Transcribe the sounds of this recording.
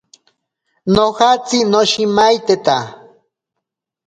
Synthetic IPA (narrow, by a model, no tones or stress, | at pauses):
nohat͡sinoʃimajt̪et̪a